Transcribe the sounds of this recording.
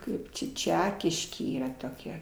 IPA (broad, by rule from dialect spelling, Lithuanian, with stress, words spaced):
ˈkɐɪp t͡ʃʲɛ ˈt͡ʃʲæːkʲɪʃʲkʲeː ˈiːrɐ toːˈkʲɛ